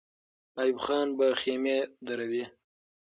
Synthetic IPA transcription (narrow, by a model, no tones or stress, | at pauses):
ɑːjubxɑːnbaxemed̪aɾawi